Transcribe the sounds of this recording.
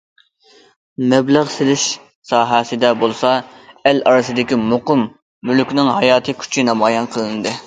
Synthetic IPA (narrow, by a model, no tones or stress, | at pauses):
mɛbləʁselɪʃ | sɑːɦɛsɨd̪ɛbolˠsɑɛlɑɾɨsɨd̪ɪkʲimoqʊmː | ylkʲnɪŋɦɑjɑːt̪ʰɨkʲʰy̥t͡ʃʰinɑmɑːjɑnqʰəlˠɨnɨd̪ɨ